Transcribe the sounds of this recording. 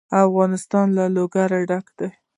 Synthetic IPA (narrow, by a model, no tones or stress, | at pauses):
afɣɑnɪst̪ɑnlaloɡaɾaɖakd̪̥aj